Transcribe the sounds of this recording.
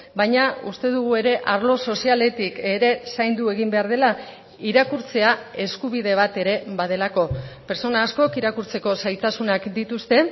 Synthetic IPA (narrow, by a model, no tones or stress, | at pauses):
bajɲaust̪e̞ðuɣ̞ue̞ɾe̞ʔaɾlo̞so̞siale̞t̪ike̞ɾe̞sajnd̪ue̞ɣimbe̞aɾð̞e̞la | iɾakuɾt͡se̞ae̞skuβ̞iðe̞β̞at̪e̞ɾe̞βað̞e̞lako̞pe̞ɾt͡so̞naːsko̞kiɾakuɾt͡se̞ko̞sajt̪asunakd̪it̪ust̪e̞